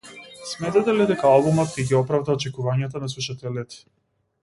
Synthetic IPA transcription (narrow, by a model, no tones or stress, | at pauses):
smɛt̪ɛt̪ɛlid̪ɛkaalˠbumɔt̪̚kɛɡʲiɔpɾavd̪aɔt͡ʃɛkuvaɲat̪anasuʃat̪ɛlɛt̪i̥